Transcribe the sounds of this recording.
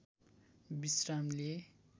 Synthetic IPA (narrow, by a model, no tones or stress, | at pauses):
bisramle